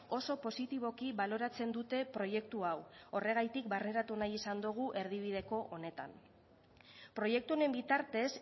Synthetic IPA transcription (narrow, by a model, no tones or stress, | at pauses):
o̞so̞po̞sit̪iβ̞o̞kiβalo̞ɾat͡se̞nd̪ut̪e̞pɾo̞je̞kt̪uawo̞re̞ɣ̞ajt̪ikbarne̞ɾat̪unajisand̪uɣ̞uʔe̞ɾð̞iβ̞ið̞e̞ko̞ʔone̞t̪a̰n | pɾo̞je̞k̚t̪uone̞mbit̪aɾt̪e̞s